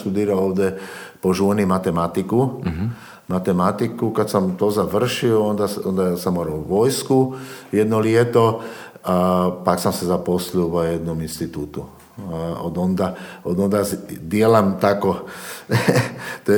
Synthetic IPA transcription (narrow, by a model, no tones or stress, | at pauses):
t̪ud̪iːɾaoːʋd̪ɛpoʒunimat̪emat̪iku | mat̪emat̪ikukat̪samt̪ozaʋr̩ʃioond̪aond̪asamoɾoʋojskujed̪noliet̪o | apaksamsezaposlopojed̪nominst̪it̪uːt̪u | od̪ond̪aod̪ond̪asd̪ielamt̪ako | t̪o